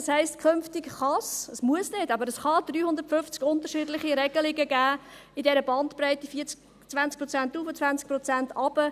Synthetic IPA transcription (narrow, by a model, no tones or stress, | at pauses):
shɛɪstkʰʏnftɪkχɑsəsmuəsnɪdɑbəɾəsχɑd̥̪ɾyːhʊnd̪əɾtfʏft͡skʊnt̪əʃɪːdlɪχiɾɛɡ̥əlɪɡəɡæːɪdɛɾəbɑntpɾɛɪtifiːt͡s | t͡sv̥ænt͡sk̚pɾɔt͡sæntːuːfət͡svænt͡sk̚pɾɔt͡sæntʰɑb̥ə